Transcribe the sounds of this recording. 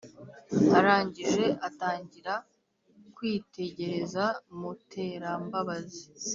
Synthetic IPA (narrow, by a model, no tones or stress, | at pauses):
aɾaːɲɟiɾɾe̞ʔataːɲɟiɾa | kwiːte̞ɟe̞ɾe̞zamutʰe̞ːɾambaβazi